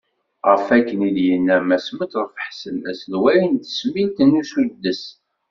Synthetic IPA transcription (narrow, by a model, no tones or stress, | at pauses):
ʁəfækːənid̪jənːæmæsmət̪ðˤfə̥ħsəlæ̰slwæɾint̪ə̥smint̪ənːusud̪ːəs